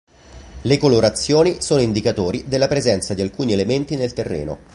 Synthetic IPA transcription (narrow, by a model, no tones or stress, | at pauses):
lekoloɾat̪sːjoːnisoːnoind̪ikat̪oːɾid̪elːapɾezɛnt̪sad̪ialkuːnielement̪inelt̪erːḛːno̰